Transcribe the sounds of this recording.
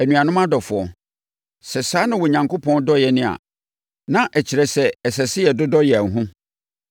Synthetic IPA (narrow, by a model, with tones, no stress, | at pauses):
æ˨nũ˨a˨nʊ̃˦mã˦dɔ˨fʊ˨ɔ˨ | sɛ˨saː˦nɪ̃˦wɔ˨ɲã˨ŋko˦pʰɔ̃˦ndɔ˦jɛ˨nɪ̃˦a̰˨ | nã˦ʔɛ˨t͡ɕʰɪ˨ɾɛ˨sɛ˨ɛ˨sɛ˨sɪ˦jɛ˨dʊ˦dɔ˦jɛ˨æ˨n̩˨ɦũ˦